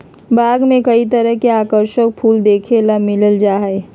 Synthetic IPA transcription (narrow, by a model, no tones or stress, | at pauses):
baːɡmẽkəit̪əɾəɦkeaːkəɾʃək̚pʰuːld̪eːkʰeləmɪləld͡ʒaːɦe